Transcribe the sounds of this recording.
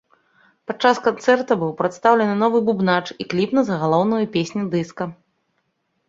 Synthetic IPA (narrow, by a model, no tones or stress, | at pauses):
pat͡ʂaskant̪sɛrt̪ɐbɨwpɾɐt̪st̪awlʲɛnɨnɔvɨbubnat͡ʂiklʲipnɐzɐɣalˠɔwnɐjɐpʲesʲnʲid̪ɨskɐ